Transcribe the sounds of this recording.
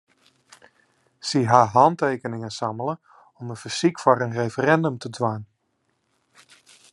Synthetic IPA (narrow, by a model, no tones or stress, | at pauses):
siɦaːɦɑntejkənɪŋəsamələ | ɔməfəsikfɔɾənrefərɛndəmtədʋan